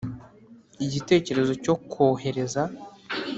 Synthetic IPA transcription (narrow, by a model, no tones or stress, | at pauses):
iɟite̞ːce̞ɾe̞zo̞co̞kʰoːɦe̞ɾe̞za